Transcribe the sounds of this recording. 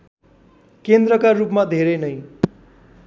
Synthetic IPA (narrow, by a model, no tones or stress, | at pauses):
kend̪rʌkarupmad̪ʱeɾʌnʌj